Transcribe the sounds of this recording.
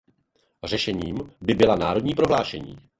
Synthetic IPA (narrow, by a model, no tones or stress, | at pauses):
r̝ɛʃɛɲiːmbɪbɪlanaːɾo̞dɲiːpɾo̞ɦlaːʃɛɲḭː